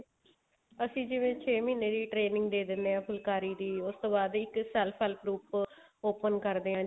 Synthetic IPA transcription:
əsĩːd͡ʒɪʋẽːt͡ʃʰeːmiːneːɾiːʈɾeːnɪ̃ŋɡd̪eːd̪ɪnd̪eːɦãːpʰʊlkaːɾiːd̪iːʊst̪oːbaːd̪ɪksɛːlpʰɛːlpɾuːpoːpənkəɾd̪eːɦãː

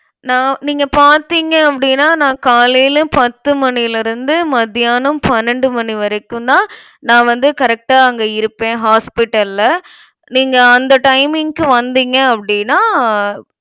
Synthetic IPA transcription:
nãːniːŋɡɐpaːɾt̪iːŋɡɐɐpːɐɽɪnːaːnãːkaːlijlɯ̃pɐt̪ːɯmɐɳɪɪlɪɾɯnd̪ɯmɐðɪjaːnɯmpɐnːɛɳɖɯmɐɳiʋɐɾɐkːɯ̃d̪ãː | nãːʋɐnd̪ɯkɐɾɛk̚ʈaːɐŋɡɐɪɾɯpːẽːɦaːspɪʈːɐllɐ | niːŋɡɐːnd̪ɐʈɐɪmɪŋkɯʋɐnd̪iːŋɡɐɐpːɐɽɪnːaː

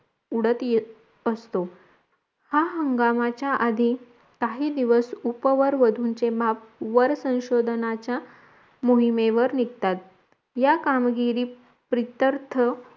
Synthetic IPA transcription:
uɽət̪je | əst̪o | haɦəŋɡamat͡ɕjaʔad̪ʱi | t̪aɦiːd̪iʋəsupʋəɾʋəd̪ʱuːnt͡sebapʋəɾsə̃w̃ɕod̪ʱənat͡ɕja | moɦimeʋəɾnikt̪at̪̚ | jakamɡiɾiː | pɾit̪əɾt̪ʰə

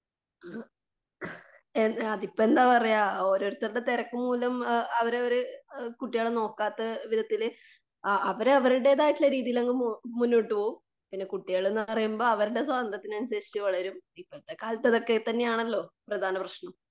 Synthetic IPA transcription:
enɐðipːoe̞nd̪aːɐrɐjaːo̞ːɾo̞ːɾut̪ːɐɾuɽe̞t̪eɾɐkːɨmuːlɐmɐʋɐɾɐɾkuʈːijaːɭno̞ːkːaːt̪ːɐʋiðɐt̪ːil | ɐʋɐɾɐʋɐɾuɽe̞ːðaːjiʈːilɐɾiːðijileŋɡɨmunːoːʈːɨpoːum | pinːe̞kuʈːijaːɭe̞nːɨɐrɐjumboːɐʋɐɾuɽe̞s̬aːɐnd̪rɐt̪ːinɐnusɐjiit͡ɕːɨʋɐɭɐɾumipːot̪ːekːaːlt̪ːɐðo̞kːe̞t̪ɐnːe̞jaːɳɐlːo̞ːprɐd̪ʱaːnɐprɐɕɳɐm

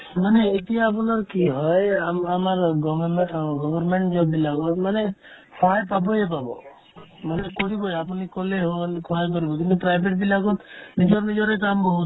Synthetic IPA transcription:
maneet̪iaːpɔnaɾkiɦɔjaamaɾɡɔɡɔbɔɾmeɳʈd͡ʒɔbilaɡɔt̪mane | kʰɔjpabɔjep̬abɔ̰ | manekɔɽibɔjapɔnikɔleɦkʰɔek̬ɔɾibɔkinũpɾajbʱeʈbilaɡɔt̪nid͡ʒɔɾnid͡ʒɔɾekambɔɦu

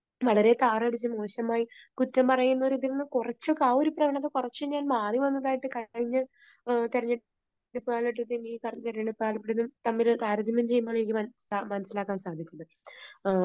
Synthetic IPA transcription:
ʋɐɭɐɾe̞t̪aːrɐɽit͡ɕːɨmo̞ːɕɐmaːjikutːɐmpɐrɐjunːoɾuðiɾunːɨkurɐt͡ɕːokːeaːoɾuprɐɡɐɳɐt̪ːekurɐt͡ɕːuɲːaːlmaːriʋɐnːɐðaːjiʈːɨkɐɻiɲːɨ | t̪eɾɐɲːɐ | ɽupːɨaːɭɐʈ̬ːut̪ːenikɐrɐɐeʈːeɳupːɨaːɭɐpːiɽenumt̪ɐmːilt̪aːɾɐd̪ʱimɐmt͡ɕe̞jːumːoːɭinikʲːɨmɐsamɐnɐsilaːkːaːnsaːd̪ʱit͡ɕːɐðɨ

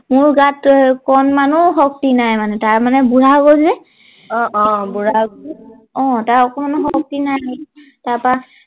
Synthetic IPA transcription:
mʊɹɡatkɔnmanʊɦɔk̚tinajmanɛtaɹmanɛbuɹaɡolzɛ | ɔbuɹa | ɔ̃taɹɔkɔmanuɦɔk̚tinaj | taɹpɹa

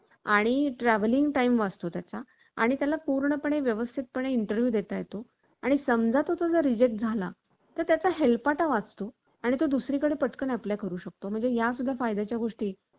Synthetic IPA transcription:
a̰ɽ̃iʈɾæʋəliŋɡʈaimʋad͡zt̪ot̪jat͡sa | a̰ɽ̃it̪jalapuɾɳəpəɳ̃eʋjəʋəst̪ʰit̪̚pəɳ̃eiɳʈəɾʋjuːd̪et̪ajet̪o | aɽ̃isəmd͡zʱat̪ɦot̪od͡zəɾid͡ʑek̚ʈ̚d͡zʱala | t̪əɾt̪jat͡saɦelpaʈaʋad͡zt̪o | aɽ̃it̪od̪usɾiːkəɽepəʈkənæplajkəɾuːɕək̚t̪om̤əɳd͡zejas̬uɡʱjafajd̪at͡ɕjaɡʱoʂʈiː

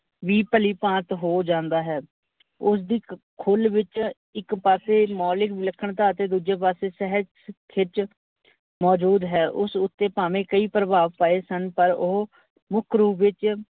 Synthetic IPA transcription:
ʋiːpəliːpãːt̪ɦoːd͡ʒãːnd̪aːɦɛː | ʊs̬d̪iːkʰʊlʋɪt͡ʃ | ɪkpaːseːmɔːlɪkləkʰːəɳt̪aːt̪eːd̪uːd͡ʒeːpaːseːsɛɦə | kʰɪt͡ʃ | mɔːd͡ʒuːd̪ɦɛːʔʊsʊt̪ːeːpaːmẽːkəiːpɾəbaːʋpaːeːsənpəɾoː | mʊkʰɾuːʋɪt͡ʃ

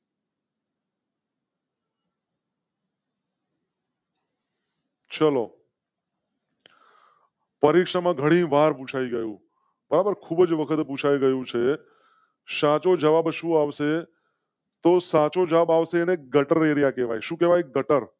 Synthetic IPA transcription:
t͡ʃəlo̰ | pəɾikʃamãɡʱəɽ̃ĩʋaɾpũt͡ʃʰaiɡəjṵ̃ | bəɾabəɾkʰubəd͡ʒʋəkʰət̪pũt͡ʃʰaiɡəjũt͡ʃʰe | sãt͡ʃod͡ʒəʋabʃũaʋse | t̪osat͡ʃod͡ʒəʋabaʋseːneɡəʈəɾeɾijakeʋa̰jʃũkeʋajɡəʈəɾ

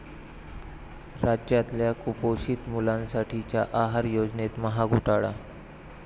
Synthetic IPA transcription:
ɾad͡ʑjat̪ljakupoɕiːt̪mulãnsaʈʰit͡ɕjaʔaɦaɾjod͡znet̪məɦaɡʱuʈaɭa̰

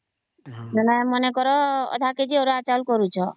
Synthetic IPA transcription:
nanamɔnekɔɾɔɔ̰d̪ʱaked͡ʒioɾuat͡ʃalkɔɾut͡ʃʰɔ

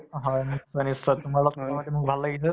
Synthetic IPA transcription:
ɦãnisːənisːət̪umalasaamad̪ʱjeməːɡ̚bʱalːaɡit̪ə

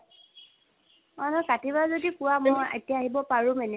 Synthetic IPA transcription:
ɔnɔkatibazodikʊwamɔja̰tijaːɦibɔpaɹʊ̃mɛnɛ

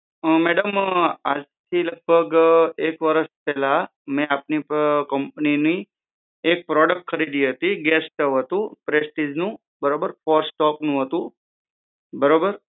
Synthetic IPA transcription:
mɛɽəma̰d͡ʒt̪ʰiləɡ̚bʱəɡekʋəɾəspɛla | mɛ̃apnikəmpnini | ek̚pɾɔɖək̚ʈ̚kʰəɾid̪iɦət̪iɡɛsʈəʋɦət̪ũpɾesʈid͡ʒnũ | bəɾobəɾfɔɾsʈɔknũɦət̪ũ | bəɾobəɾ

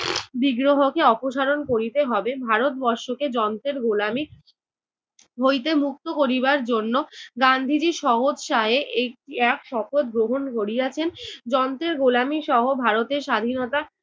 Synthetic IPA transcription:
biɡɾoɦokeɔpoʃaɾonkoɾit̪eɦɔbebʱaɾot̪̚bɔɾʃoked͡ʑɔnt̪ɾeɾɡolami | ɦojt̪emuk̚t̪okoɾibaɾd͡ʑonːoɡand̪ʱid͡ʑiʃɔɦod͡ʑʃaɦeʔek̚ʈiɛkʃɔpot̪̚ɡɾoɦonkoɾiat͡ɕʰend͡ʑɔnt̪ɾeɾɡolamiʃɔɦobʱaɾot̪eɾʃad̪ʱinot̪a

